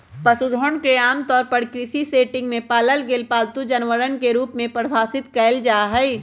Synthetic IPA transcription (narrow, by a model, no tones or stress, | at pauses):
pɐsud̪ʱoɳkɾɪjaːmt̪ɔːɾpɐɾkɾɪsiseːʈɪ̃ŋɡmẽpaːləlɡeːlpaːlt̪ud͡ʒɐnʋəɾənkeɾuːpmẽpəɾbʱaːsɪt̪kɛɪld͡ʒaːɦɛ